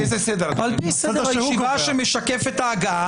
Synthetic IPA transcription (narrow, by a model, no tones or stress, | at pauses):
ezesed̪eɾaaalsdaʃʃiaʃemeʃakefet̪aːɡa